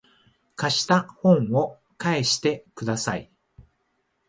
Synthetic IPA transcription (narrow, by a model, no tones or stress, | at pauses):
kaɕi̥t̪ahõ̞ɴ̃o̞ | kaeɕi̥t̪e̞kɯ̟d̪asai